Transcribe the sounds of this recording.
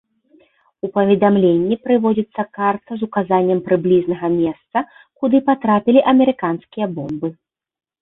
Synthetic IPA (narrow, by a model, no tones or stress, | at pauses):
upɐvʲɛd̪amlʲenʲːipɾɨvɔd͡zʲit̪sːɐkart̪ɐzukazanʲːɐmpɾɨblʲiznɐɣɐmʲɛst̪sɐ | kud̪ɨpat̪ɾapʲilʲiʔɐmʲɛɾɨkanskʲijɐbɔmbɨ